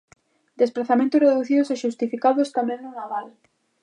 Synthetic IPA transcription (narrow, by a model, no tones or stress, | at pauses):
d̪esplaθamẽnt̪ʊsreðuθiðʊseʃust̪ifikaðʊst̪amɛ̃ŋnʊnaβal